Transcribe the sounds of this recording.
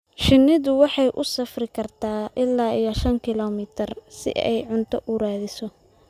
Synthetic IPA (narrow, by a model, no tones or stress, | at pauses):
ʃɪnːɪðʊwɑħɑjʔʊsɐfrɪkʰɐrt̪ʰaːʔɪlːaːɪjɐʃɐŋkʰɪlɔːmɪt̪ʰɪrsɪ̰ʔɛ̰jʕʊnt̪ʰɔʔʊɾaːðɪsɔ